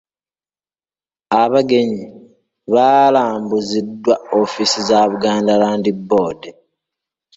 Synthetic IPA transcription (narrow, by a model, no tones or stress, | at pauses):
aβaɡe̞ɲi | βalaːmbuzidːwaofisizaβuɡaːndalaːndibːo̞ːde